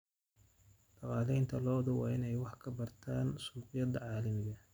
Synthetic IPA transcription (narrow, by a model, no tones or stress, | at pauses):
ɖ̥ɑqɑːlɛjnt̪ʰɐlɔːðɐwɑːɪnɛjwɑħkʰɐbɐrt̪ʰaːnsuːqɪjɐd̪ɐʕɑːlɐmɪɣɐ